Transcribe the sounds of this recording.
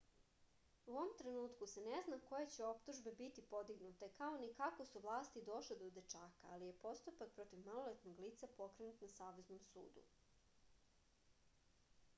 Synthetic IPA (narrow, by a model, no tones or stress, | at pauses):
uoʋomt̪ɾe̞nuːt̪kuseneznako̞jet͡ɕe̞o̞pt̪uʒbe̞bit̪ipo̞d̪iɡnut̪ekaonikako̞suʋlˠaːst̪id̪o̞ʃled̪od̪et͡ʃaːkaalije̞po̞st̪upak̚pɾo̞t̪iʋmalolet̪noɡliːt̪sapo̞kɾe̞nut̪nasaːʋe̞znomsṵːd̪ṵ